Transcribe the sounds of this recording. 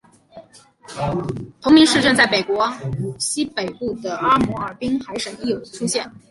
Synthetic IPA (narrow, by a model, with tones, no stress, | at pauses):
p̪ʰʊ˧˥ŋmi˧˥ŋʂɻ̩˥˧ʈ͡ʂɤ˥˧nt͡sa˥˩ɪme˨˩ɪkwɔ˧˥u˨˩ɕi˥pe˨˩ɪpu˥˩d̪ə˩ə˥mu˧˥ə˞˨˩pi˥ŋxa˧˥ɪʂə˨˩ŋi˥˩jo˨˩ʊd̪ə˦ʈ͡ʂʰu˥ɕjɛ˥˩n